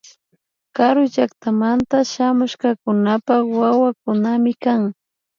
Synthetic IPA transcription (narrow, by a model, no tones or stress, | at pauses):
kaɾʊʒakt̪amant̪aʃamʊʃkakʊnapawawakʊnamɪkaŋ